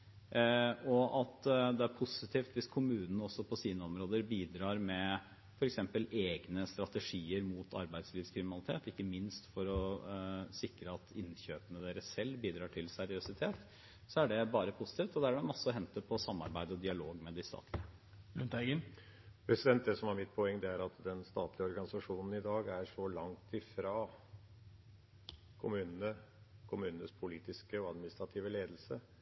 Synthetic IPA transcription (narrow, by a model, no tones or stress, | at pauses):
ɔʔɑt̪d̪ɛæɾpʰʊsɪt̪ʰiːft̪ʋɪskʰʊmʉːnən̩əɔsːɔpʰɔsiːnəɔmɾoːd̪əɾbiːd̪ɾɑːɾmɛ | fɔɾɛksɛmpəleːɡnəst̪ɾɑt̪ɛʂiːəɾmuːt̪ʰɑ̰ɾbæɪd̪sliːʋskʰɾɪmɪnɑlˠɪt̪ʰḛːt̪ɪkːəmɪnst̪fɔɾɔ | sɪkɾəɑt̪ʰɪnçøːpənəd̪eːɾəsːɛlːbiːd̪ɾɑːʈʰɪlsæɾɪøsɪt̪ʰeːt̪ | sɔæɖɛbɑːɾəpʰusɪ̥t̪iːft̪ɔd̪æɖɛmɑsːəɔɦɛnt̪əɾpʰɔsɑmːɑ̰ɾbæɪd̪əɔd̪ɪɑloːɡmɛd̪ɪst̪ɑ̰ːt̪lɪə | ɾʉnt̪æɪɡən | pʰɾɛsɪd̪ɛnt̪̚d̪ɛsɔmhɑɾmɪt̪̚pʰɔɛŋːd̪ɛæɾɑt̪d̪ɛnst̪ɑːt̪ʰlɪəɔɾɡɑnɪsɑʂuːnn̩ɪd̪ɑːɡæʂɔlɑŋt̪ɪfɾɑː | kʰʊmʉːnənə | kʰʊmʉːnn̩əspʰʊliːt̪ɪskəɔɑd̪mɪnɪst̪ɾɑt̪ʰiːʋəleːd̪l̩sə